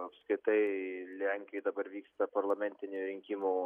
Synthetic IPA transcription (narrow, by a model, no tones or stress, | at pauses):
ɐpskɾʲɪt̪ɐɪlʲæŋʲkʲjɪd̪ɐbɐɾʋʲiːkst̪ɐpɐrlˠɐmʲɛnʲt̪ʲɪnʲuɾʲɪŋʲkʲimuː